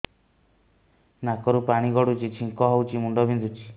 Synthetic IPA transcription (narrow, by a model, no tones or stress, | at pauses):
nakɔɾupaɽ̃iɡɔɽut͡ʃit͡ʃʰiŋkɔɦɔwt͡ʃimuɳɖɔbʱind̪ut͡ʃʰi̥